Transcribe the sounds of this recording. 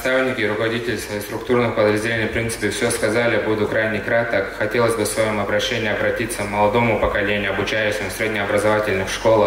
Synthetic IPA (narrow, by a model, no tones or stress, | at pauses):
st̪avnʲɪkʲɪɾʊkəvɐdʲitʲɪlʲɪsvɐjist̪ɾʊkt̪urnɨxpəd̪ɾəzʲdʲɪlʲenʲipɾʲint̪sɨ̥pʲɪfsʲoskɐzalʲɪbud̪ʊkɾajnʲɪkɾat̪əxɐtʲelˠəzʲbɨfsvɐjo̞mɐbɾɐɕːenʲɪjɐbɾɐtʲit̪səkmɐlˠɐd̪o̞mʊpəkɐlʲenʲɪʊɐbʊt͡ɕæjʊɕɪmʊsʲɾʲed̪ʲnʲɪɐbɾəzɐvatʲɪlʲnɨxʂko̞lˠ